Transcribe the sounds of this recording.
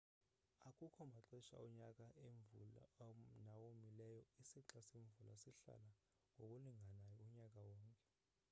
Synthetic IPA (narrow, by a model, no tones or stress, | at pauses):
akʼukʰɔmaǁɛʃa̰ɔɲak̬ʼaʔeɱvṵla̰nawomilɛjɔisiǁasiɱvula̰siɬa̰la | ŋʱok̬ʼuliŋʱanajɔuɲak̬ʼawɔːŋkʼɛ̥